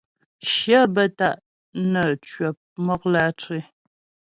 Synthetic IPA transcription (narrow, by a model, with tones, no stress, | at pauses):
ʃə˦bə˦ta˦˨ʔ | nə˨t͡ʃɥə˨p̚mɔ˦k̚la˦t͡se˦